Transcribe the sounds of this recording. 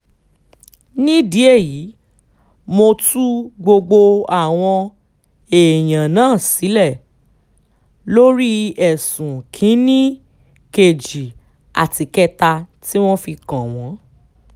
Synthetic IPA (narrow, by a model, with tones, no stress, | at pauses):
nĩ˦di˨˦e˦˨ji˨˦ | mo˧tu˦ɡ͡bo˧ɡ͡bo˧a˦˨w̃ɔ̃˧ | e˨j̃ã˨nãː˦˨si˨˦lɛ˦˨ | lo˦ɾi˦ɛ˨sũ˨kʰĩ˨˦nĩ˦ | ke˨d͡ʒi˨ | a̰˨ti˧kɛ˦ta˧ti˦w̃ɔ̃˦fi˧kã˨w̃ɔ̃˨˦